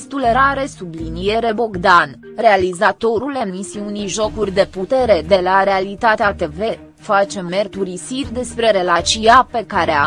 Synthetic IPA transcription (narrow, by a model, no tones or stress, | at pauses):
st̪ule̞ɾaɾe̞sublinije̞ɾe̞bo̞ɡd̪an | re̞alizat̪o̞ɾule̞misiuniʒo̞kurʲd̪e̞put̪e̞ɾe̞d̪e̞laɾe̞alit̪at̪eat̪e̞ve̞ | fat͡ʃe̞me̞rt̪uɾisirʲd̪e̞spɾe̞ɾe̞lat͡ʃiape̞kaɾea